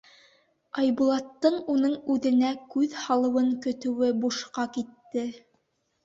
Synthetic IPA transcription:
ɑjbulˠɑt̪ːɤɴunɤɴʉðɘ̆nækʉðhɑlˠɤ̆wɤɴkɵ̆t̪ɵ̆wɘbuʃqɑkit̪ːɘ

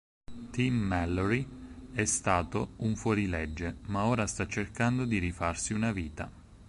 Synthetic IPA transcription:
t̪imːɛlːoɾiɛst̪aːt̪ouɱfwɔɾilɛd͡ʒːemaoːɾast̪at͡ʃːerkand̪od̪iɾifarsiunaviːt̪a̰

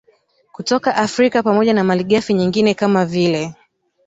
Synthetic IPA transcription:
kutɔkaʔafɾikapamɔʄanamaliɠafiɲiŋɡinɛkamavilɛ

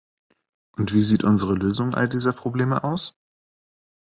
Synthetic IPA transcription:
ʔʊntv̥iːziːtʔʊnzəʁəløːzʊŋʔa̰ldiːzɐpʁ̥obleːmə̰ʔaʊs

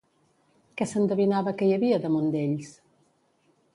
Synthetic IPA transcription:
kɛsənd̪əβinaβəkəjəβiəðəmund̪eʎs

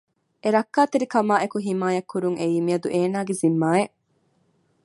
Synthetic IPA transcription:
ʔeɾɐkːaːt̪eɾikɐmaːʔekuɦimaːjɐkːuɾuŋejimiɐd̪uʔeːnaːɡezimːaːeʔ

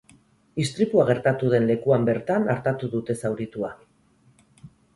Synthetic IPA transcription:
ist̪ɾip̪uaɣ̞e̞ɾt̪at̪uðe̞nle̞kuambe̞ɾt̪anaɾt̪at̪uðut̪e̞sawɾit̪ua

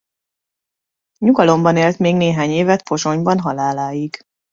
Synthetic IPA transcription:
ɲuɡɒlo̞mbɒneːlt̪meːɡneːɦaːɲeːvɛt̪̚po̞ʃo̞ɲbɒnɦɒlaːlaːjiɡ̥

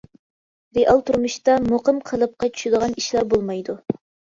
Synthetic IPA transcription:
ɾeʔɑlˠt̪ʰuɾmuʃt̪ɑmoqəmqʰəlˠɨp̚qɑt͡ʃʰy̥ʃɪd̪əʁɑniʃlæɾbolˠmɑjd̪u

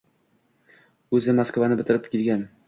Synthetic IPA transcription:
ɵzɪmaskvanɪbɪt̪ʰɪɾɪp̚kʲilɡʲan

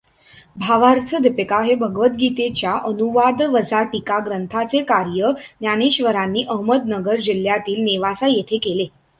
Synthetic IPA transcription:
bʱaʋaɾt̪ʰəd̪ipekaɦebʱəɡʋət̪ɡit̪et͡ɕjaʔənuʋad̪ʋəd͡zʱaʈikaɡɾənt̪ʰat͡sekaɾjənjañeɕʋəɾanːiːʔəɦməd̪nəɡəɾd͡ʑil̤ːjat̪iːlneʋasajet̪ʰekele

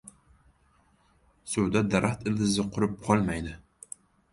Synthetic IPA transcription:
sʊwd̪ad̪aɾʔaχt̪ɪld̪ɪzɪqʰʊɾɪp̚qʰɒlˠmajd̪ɪ

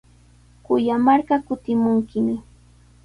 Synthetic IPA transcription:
kʊjamaɾɢɑkʊt̪ɪmʊŋkɪmɪ

